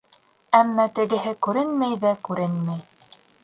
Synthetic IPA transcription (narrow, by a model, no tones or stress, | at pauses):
æmːæt̪ɘ̆ɡɘ̆ɦɘkʉɾɘnmæjðækʉɾɘnmæj